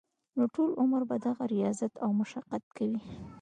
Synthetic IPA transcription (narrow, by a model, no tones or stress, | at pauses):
noʈolʊməɾbad̪aɣaɾijɑzat̪awmʊʃaqat̪̚kawi